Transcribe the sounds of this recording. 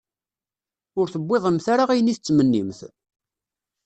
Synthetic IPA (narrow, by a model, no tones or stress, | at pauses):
ʊɾθəbːeðˤəmθaɾaʁijəniθt͡sːmənːimθ